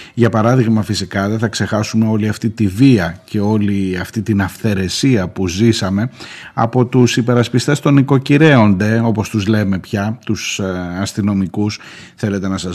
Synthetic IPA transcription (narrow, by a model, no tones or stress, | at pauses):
ʝɐpɐɾɐðiɣmɐfisikɐðeθɐkse̞xɐsume̞o̞liɐft̪it̪iviɐce̞o̞liɐft̪it̪inɐfθe̞ɾe̞siɐpuzisɐme̞ɐ̰po̞t̪usipe̞ɾɐspist̪e̞st̪o̞niko̞ciɾe̞o̞nd̪e̞o̞po̞st̪uzle̞me̞pçɐt̪usɐst̪ino̞mikus | θe̞le̞t̪e̞nɐsɐ